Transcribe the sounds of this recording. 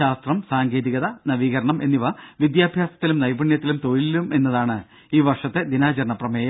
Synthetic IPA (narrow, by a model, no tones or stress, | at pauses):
aːst̪rɐmsaːŋɡe̞ːðiɣɐðɐnɐʋiːɣɐɾɐɳɐmʔe̞nːiʋɐʋid̪jaːbʱjaːsɐt̪ːilumnɐjbɐɳjɐt̪ːilumt̪oɻilːume̞nːɐðaːɳɨ | iːʋɐrʂɐt̪ːed̪inaːt͡ɕɐrɳɐprɐmeːjɐ